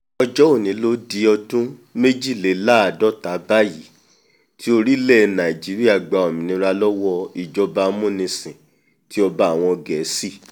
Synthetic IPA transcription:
ɔ˧d͡ʒɔ˦o˦˨nĩ˨˦lo˦di˧ɔ˧tũ˦me˦d͡ʒi˦˨le˨˦la˦a˨dɔ˦˨ta˨˦ba˦ji˨˦ | ti˦o˧ɾi˦lɛ˦˨˧nã˨i˨d͡ʒi˨˦ɾi˦a˦˨ɡ͡ba˨ɔ˨mĩ˨nĩ˨˦ɾa˧lɔ˦wɔ˧i˨d͡ʒɔ˧ba˧˦mũ˦˨nĩ˧sĩ˨ | ti˨˦ɔ˧ba˦a˨w̃ɔ̃˧ɡɛ˨˦si˦˨

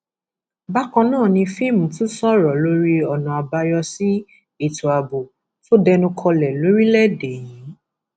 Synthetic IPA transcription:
ba˦kɔ̃˧nãː˦˨nĩ˧fĩ˦˨mũ˨˦tũ˦sɔ˦ɾɔ˨lo˦ɾi˦ɔ˨nɔ̃˨a˨ba˧jɔ˧si˦ | i˦˨tu˨a˨bo˨ | to˦dɛ˧nũ˧kʰɔ˧lɛ˨lo˨˦ɾi˦lɛ˦˨de˨jĩ˨˦

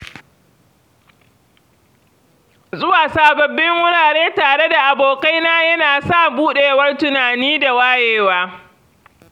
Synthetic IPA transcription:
zʊ˦waː˨saː˨bɐ˨bːɪ˦ŋːʊ˦ɽaː˨ɽeː˦taː˨ɽe˦da˨ʔa˨boː˨ka˦jnaː˦jɐ˦naː˨sa˦buː˦ɗe˨˦wɐ˦rtʊ˨naː˨niː˦da˨waː˦jeː˦waː˦

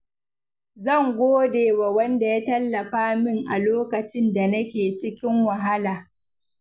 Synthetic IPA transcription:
zɐ˦˨ŋɡʷoː˦deː˨wa˨wɐ˦nda˨jaː˦tɐ˦lːɐ˨ɸaː˦mɪ˦ŋʔa˨loː˦kɐ˨t͡ʃɪ˦nda˨nɐ˦kʲeː˨t͡ʃɪ˦kʲɪ˦ŋwɐ˨ɦa˦laː˨

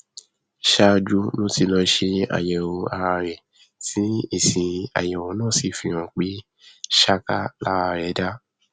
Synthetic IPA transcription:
ʃa˧d͡ʒu˦nõ˦ti˧lɔ˧˦ʃe˧a̰˨jɛ˨wo˧a˧ɾa˧ɾɛ˨ | tĩ˦i˦˨sĩ˨ĩ˨a̰˨jɛ˨wõ˨˦nãː˦˨si˨fi˧˦ɾ̃ã˨k͡pi˨˦ | ʃa˦ka˦la˦ɾa˧ɾɛ˨˦da˦

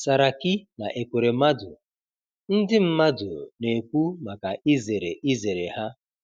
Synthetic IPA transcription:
sa˨ɾa˨ki˦na˨ʔe˨kʷe˨ɾe˨ma˦dʊ̰˨ | n̩˦dɪ˦m̩˦ma˦dʊ̰˨ne˨kʷu˦ma˨ka˨ʔi˦ze˨ɾe˨ʔi˦ze˨ɾe˨ha˦

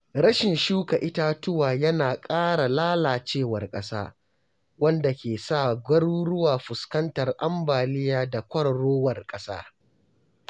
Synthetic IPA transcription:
ɾɐ˦ʃɪ˨nʃuː˦ka˨ʔɪ˦ta˦tʊ˦waː˨jɐ˦naː˨kʼaː˦ɽa˨laː˦laː˨t͡ʃeː˦˨wɐ˨rkʼɐ˦sa̰ː˦ | wɐ˦nda˨kʲeː˨saː˦˨ɡʷɐ˦ɽuː˦ɽʊ˦waː˨ɸʊ˨skɐ˦ntɐ˨rʔa˦mbaː˨lɪ˦jaː˦da˨kʷɐ˦ɽɐ˨ɽoː˦wɐ˨rkʼɐ˦sa̰ː˦

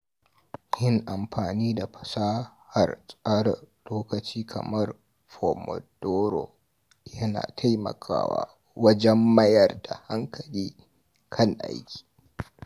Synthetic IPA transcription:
jɪ˦ŋʔa˨mɸaː˨niː˦da˨ɸɐ̥˨saː˦ha˨rsʼaː˦ɽɐ˨loː˦kɐ˨t͡ʃiː˦kʰɐ̰˨mɐ˦r | ɸo˨mɔ̰˨d̥oː˦ɾo˨ | jɐ˦na̰ː˨tʰa˦jmɐ̰˨kʰa̰ː˦wa̰ː˦ | wɐ˦d͡ʒɛ˦mːɐ˦jɐ˨rda˨ha˦ŋkʰɐ˨liː˦ | kʰɐ˦˨ŋʔa̰˦jkʲi̥ː˨

